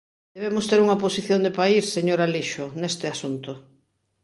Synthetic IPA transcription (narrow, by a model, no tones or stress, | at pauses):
d̪eβemʊst̪eɾuŋaposiθjond̪epaisseɲoɾaliʃonest̪easunt̪o